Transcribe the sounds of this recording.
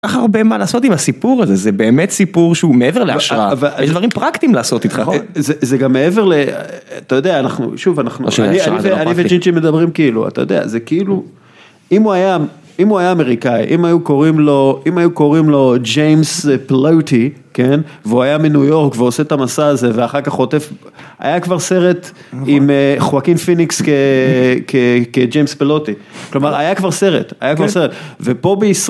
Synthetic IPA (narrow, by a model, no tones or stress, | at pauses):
kaχaʁbe̞malaːso̞t̪imasipuʁazezebe̞ːmet̪sipuʁʃeumeeveʁleaʃʁaavaeʃd̪vaʁimpʁakt̪imlaːso̞t̪it̪χazezeɡamːee̞ve̞ʁleat̪ajo̞d̪eaːnaχnṵʃuvanaχnua̰niaiveanivet͡ʃint͡ʃime̞d̪abʁimkiilṵa̰t̪a̰jo̰d̪ea̰zekiilu | imuaja | imuajaːmeʁikaḭʔimajuko̞ʁimlo̞imajuko̞ʁimlo̞d͡ʒejmsplowt̪ike̞nveuajaminujo̞ʁkveo̞set̪amasaːze̞veaχaʁkaχo̞t̪e̞f | a̰jakvaʁse̞ʁe̞t̪ | imχoakimfinikskekʰeked͡ʒejmsplot̪iklo̞maʁajakvaʁse̞ʁḛt̪a̰jakvaʁseʁet̪vepo̞beis